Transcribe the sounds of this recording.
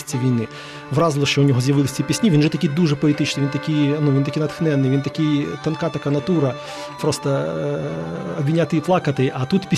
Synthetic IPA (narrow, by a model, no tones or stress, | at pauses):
sʲt͡sʲːiʋʲijnɪ | ʋrɑzlˠɔʃt͡ʃɔʊnʲɔɦɔzjɐʋɪlˠɪsʲt͡sʲɐpʲisʲnʲiʋinʒɛt̪ɐkʲid̪uʐɛpɔit̪ɪt͡ʃnɪʋint̪ɐkɪjnuʋʲint̪ɐkijnɐt̪xnɛnːɪjʋint̪ɐkɪjt̪ɐnkɑt̪ɐkɑnɐt̪uɾɐ | pɾɔst̪ɐ | ɔbʲʋʲinʲat̪ɪjflˠɑkɐt̪ɪjʔɐt̪ut̪pʲi